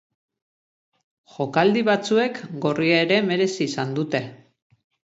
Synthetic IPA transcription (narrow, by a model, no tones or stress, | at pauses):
ʝo̞kald̪iβat͡sue̞kɡo̞riaeɾe̞me̞ɾe̞siːsand̪ut̪e̞